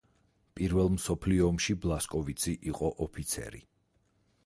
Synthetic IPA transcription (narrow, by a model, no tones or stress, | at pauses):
pʼiɾvɛlˠmsɔpʰliɔːmʃiblˠaskʼɔvit̪sʰiʔiqʼɔʔɔpʰit̪sʰɛ̰ɾḭ